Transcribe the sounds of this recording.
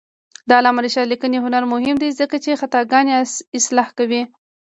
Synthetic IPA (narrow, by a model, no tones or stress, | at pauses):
d̪ɑːlɑmaɾiʃɑlikəneɦʊnaɾmʊhɪmd̪ezəkat͡ʃexat̪ɑɡɑnesɪslɑhkawi